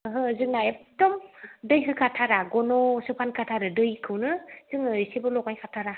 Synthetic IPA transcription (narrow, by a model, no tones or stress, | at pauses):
ɦɯzɯŋnaedɔmdɯjɦɯkʰatʰaɾaɡɔnɔsɯpʰankʰatʰaɾɯdɯjkʰɯwnɯz̥ɯŋnɯsebɯlɔkajkʰatʰaɾa